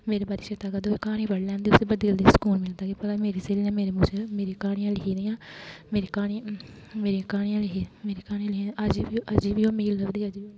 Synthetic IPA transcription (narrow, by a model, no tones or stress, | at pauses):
meːɾeːbaːɾiːʃeːt̪aːkad̪oːekaːɽ̃ĩːpəɽlɛ̃ːnd̪iːʊseːbəd̪ild̪iːskuːlmɪlt̪aːkiːpəlaːmeːɾiːseːliːnɛ̃ːmeːɾeːmũːt͡ʃemeːɾiːkaːɽ̃ijãːlɪkʰiːd̪iːãːmeːɾiːkaːɽ̃iː | meːɾiãːkaːɽ̃ijãːlɪɦiːmeːɾiːkaːɽ̃ĩãliəd͡ʒibiʔəd͡ʒiʋiːoːmeiləbd̪iːəd͡ʒi